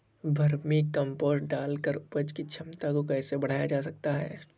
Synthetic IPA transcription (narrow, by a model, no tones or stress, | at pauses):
bʱɐɾmikɐ̃mpoːsʈɖaːlkəɾʊpəd͡ʒkit͡ʃʰɐmt̪akokɛːsebɐɽ̤aːjad͡ʒaːs̬ɐk̚t̪aɦɛ̰ː